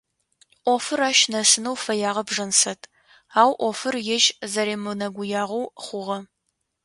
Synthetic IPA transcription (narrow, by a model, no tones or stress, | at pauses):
ʔʷɔfɨɾaːʃnɐsɨnɐwfɐjaːʁɐbʐɐnsɐtʰ | aːwʔʷɔfɨrjɛʒzɐɾeːmɨnɐɡʷʊjaːʁɐwχʷʊʁɐ